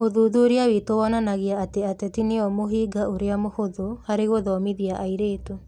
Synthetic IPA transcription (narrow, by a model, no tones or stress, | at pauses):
oðuːðuoɾeawetowɔnanaɣiaːteatɛtineɔmoɦiːɡaʔoɾeamohoðohaɾeɣoðɔmiðiaʔaiɾeːto